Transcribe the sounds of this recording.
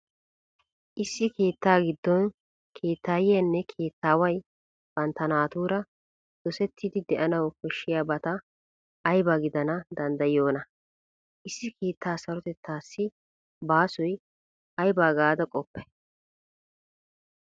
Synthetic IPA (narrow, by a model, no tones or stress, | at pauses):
ʔɪsːɪke̞ːt̪ːaːɡɪd̪ːɔn | kʰe̞ːt̪ːaːjɪjɐnːɛkʰe̞ːt̪ːaːwɐj | b̥ɐnt̪ːɐnaːt̪uːɾɐ | d̪̥ɔsɛt̪ːid̪ɪd̪ɛʔɐnɐwkɔʃːɪjaːbɐt̪ɐː | jbaɡɪd̪ɐnɐd̪ɐnd̪ɐjɪo̞ːnɐ | ʔɪsːɪkʰe̞ːt̪ːaːsɐɾɔt̪ɛt̪ːaːsːɪ | baːsɔj | ɐjbaːɡaːd̪ɐkʼɔpːɛ